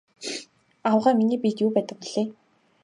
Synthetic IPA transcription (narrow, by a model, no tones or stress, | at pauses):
awʁæːminiːpit̪juːpæːt̪ə̆k̚piɮeː